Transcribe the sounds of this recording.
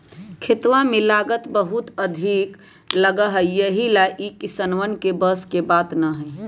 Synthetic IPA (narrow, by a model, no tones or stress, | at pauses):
kʰɪt̪ʋamẽlaːɡət̪bəɦut̪əd̪ʱiːk | ləɡəɦəjəɦilaʔikisənʋənkebəskebaːt̪naɦɛ